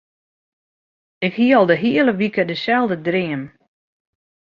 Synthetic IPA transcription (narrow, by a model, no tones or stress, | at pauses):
ɪkhiəɔlˠdəɦiələʋikədəsɛlˠdədrɪəm